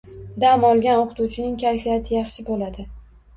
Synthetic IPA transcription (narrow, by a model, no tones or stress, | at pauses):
d̪amɒlˠɡʲanoqʰɨt̪uwt͡ʃʰɪnɪŋkʲʰajfijat̪ʰɪjɑχʃɪbolad̪ɪ